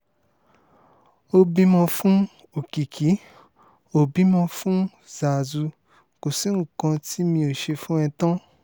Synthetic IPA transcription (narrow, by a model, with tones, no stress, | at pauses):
o˧bi˦mɔ̃˧fũ˦ | o˨ki˨kʰi˨˦ | o˦˨bi˦mɔ̃˧fũ˦ | za˨zu˧ | ko˨si˨˦ŋ̩˦˨kã˧ti˦mĩ˧o˨ʃe˧fũ˦ɛ˧tã˦